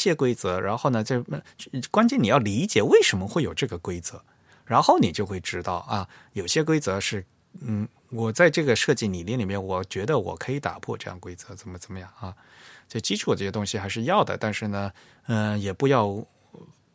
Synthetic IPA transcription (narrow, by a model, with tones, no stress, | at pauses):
ɕjɛ˥kwe˥ɪt͡sɤ˧˥ɻa˧˥nxo˥˩ʊnə˩t͡ɕo˥˧ʊ˥˧˥kwa˥nt͡ɕjɛ˥˩ni˨˩jɑ˥˩ʊli˧˥t͡ɕjɛ˨˩we˥˩ɪʂə˧˥mə˧xwe˥˩ɪjo˨˩ʊʈ͡ʂɤ˥˩ɡə˩kwe˥ɪt͡sɤ˧˥ | ɻa˧˥nxo˥˩ʊni˨˩t͡ɕjo˥˧ʊxwe˥˩ɪʈ͡ʂɻ̩˥t̪ɑ˥˩ʊʔɐ˧˩ | jo˨˩ʊɕjɛ˥k̬we˥ɪt͡sɤ˧˥ʂɻ̩˥˩ | n̩˥˩ | wɔ˨˩t͡sa˥˧ɪʈ͡ʂɤ˥˩ɡə˩ʂɤ˥˧t͡ɕi˥˩ni˨˩lɛ˥˩nli˨˩mjɛ˥nwɔ˨˩t͡ɕɥɛ˧˥d̪ə˧wɔ̰˨˩kʰɤ˧˥i˧˥t̪a̰˨˩pʰwɔ̰˥˧ʈ͡ʂɤ˥˧jɑ˥˩ŋkwe˥ɪt͡sɤ˧˥t͡sə˨˩nmə˧˦t͡sə˨˩nmə˦jɑ˥˩ŋa˥˧ | t͡ɕo˥˧˩t͡ɕi˥ʈ͡ʂʰu˨˩tɤ˥˩jɛ˥t̪ʊ˥ŋɕi˨xa˧˥ɪʂɻ̩˥˧jɑ˥˩ʊd̪ə̰˩t̪a˥˧nʂɻ̩˥˩nə˩ | ə˥˧jɛ˨˩pu˧˥jɑ˥˩˧ʊ